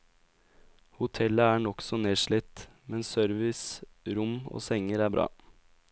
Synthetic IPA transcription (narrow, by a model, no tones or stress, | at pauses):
hʊt̪ʰɛləæːɳɔksɔneːʂɭɪt̪mɛnsœɾʋɪsɾʊmo̰ːsɛŋəɾæːbɾʔɑ̰ː